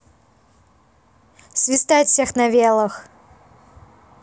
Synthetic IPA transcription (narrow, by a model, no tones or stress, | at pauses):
sʲvʲɪst̪ajt̪fsʲɛxnɐvʲelˠəx